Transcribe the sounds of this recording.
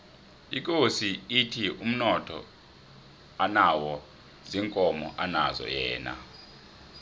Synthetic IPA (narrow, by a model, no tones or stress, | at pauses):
ik̬ʼosiitʰium̩nɔtʰɔ̰ | anawɔ | ziŋkʼɔmɔʔanazɔ̰jɛ̰ːna̰